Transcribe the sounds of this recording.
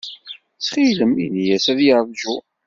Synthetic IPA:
t͡sːχiləmḭnijæsæðjəɾˤvʒu

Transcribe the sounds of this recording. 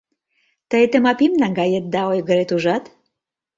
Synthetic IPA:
t̪əjt̪əmɑpimnɑŋɡɑjet̪̚d̪ɑojɣəɾet̪uʒɑt̪

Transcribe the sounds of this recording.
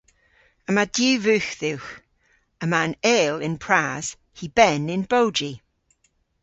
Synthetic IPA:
əmadjʉːvʉːxðɪwx | əmaneːlɪ̃npʰɹ̥aːz̥ | hibɛnɪ̃nbowd͡ʒi

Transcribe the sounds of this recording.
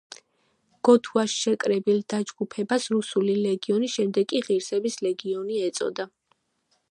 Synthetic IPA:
ɡ̥ɔt̪ʰuaʃʃɛkʼɾɛbilˠd̪̥ad͡ʒɡupʰɛbasɾusulilɛɡiɔniʃɛmd̪ɛɡkʼiʁiɾsɛbislɛɡiɔniɛt̪sʼɔ̰d̪a

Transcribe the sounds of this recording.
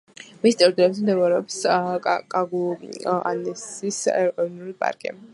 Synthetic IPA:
mist̪ʼɛɾd̪uɛps̬md̪ɛuɾɛɔpskʼaɡua̰nɛsisɛ̰ɾʼɔvnulipʼa̰ɾkʼḭ

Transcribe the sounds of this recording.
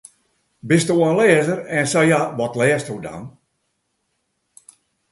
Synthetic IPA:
bɪstuɔnlɛːzərɛnsajaʋɔtlɛːəstuda̰n

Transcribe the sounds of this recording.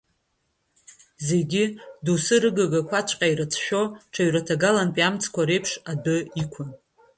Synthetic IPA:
ze̞ɡʲidusɨɾɨɡaɡakʷʰat͡ʃʷʰʼqʲʼaiɾat͡sʰʃᶣo̞ʈ͡ʂʰaɥɾatʰaɡalanpʼamt͡sʰʼkʷʰaɾe̞jpʰʂadɨikʷʰʊn

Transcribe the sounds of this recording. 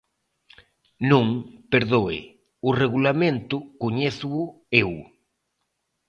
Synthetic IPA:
nũŋpeɾðoɪ̰ | ʊreɣulamẽnt̪ʊkoɲeθʊʊ | ew

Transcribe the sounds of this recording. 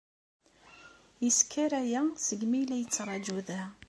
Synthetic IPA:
jəskʰːəɾæjæsəɡmilæjət͡sːɾˤɑd͡ʒuðæ

